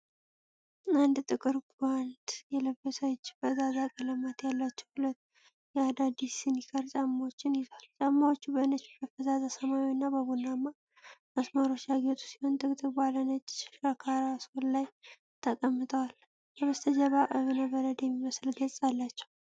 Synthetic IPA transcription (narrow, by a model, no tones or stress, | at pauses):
and̪t̪ʼɨkʼɨɾɡand̪jɛləbːəsəwt͡ʃːbəzazakʼələmat̪jalːat͡ʃːɛ̥whʊlət̪ː | jɛad̪ad̪isɨnikʰəɾt͡ʃʼamːawot͡ʃːɪnjɪzalt͡ʃʼamːawot͡ʃːubənət͡ʃːbəfəzazasəmajiɨnːabəbunːama | məsmaɾo̞t͡ʃːjaɡet̪ʰʼu̥si̥ho̞nt̪ʼɨkʼt̪ʼɨɾbalənət͡ʃʼːkəkʰaɾasollaj | t̪ʰəkʼəmːɨt̪ʰʼəwal | bəβəst̪ʰəd͡ʒəβaʔəβɨnabəɾəd̪jɛmːiməsɨlɡət͡sʼalːat͡ʃːɛ̥w